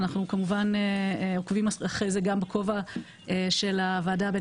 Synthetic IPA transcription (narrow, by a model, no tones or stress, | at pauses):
naχnukamuvaneeokvimaaχʁejzeɡambekʰo̞va | eʃe̞lavaːdabe